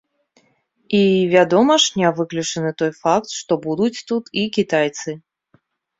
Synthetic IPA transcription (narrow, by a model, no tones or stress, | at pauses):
ivʲad̪ɔmɐʂnʲavɨklʲut͡ʂɨnɨt̪ɔjfak̚t̪ʂt̪ɔbud̪ut͡sʲt̪ut̪ikʲit̪ajt̪sɨ